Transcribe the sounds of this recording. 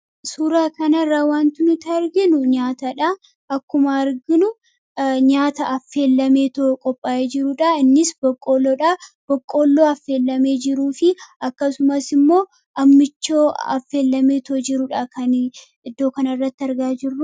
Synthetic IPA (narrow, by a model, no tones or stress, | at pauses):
suːɾaːkɐnɐrːaːwaːnt̪ɪnʊt̪ɪɐɾɡɪnʊɲaːt̪ɐᶑa | ʔɐkːʊmɐːɾɡɪnʊ | ɲaːt̪ɐʔɐfːe̞ːlːɐmeːt̪oːkʼɔpʼːaːʔeːd͡ʒɪɾʊᶑɐɪnːɪsbɔkʼːoːlːoːᶑab̥ɔkʼːoːlːoːɐfːe̞ːlːɐme̞ːd͡ʒɪɾuːfɪɐkːɐsʊmɐsɪmːo̞ː | ʔɐmːɪt͡ʃːoːɐ̰fːe̞ːlːɐme̞ːt̪ʰoːd͡ʒɪɾʊᶑɐkʰɐn | ɪd̪ːo̞ːkɐnɐrːɐt̪ːɪɐɾɡaːd͡ʒɪrːʊ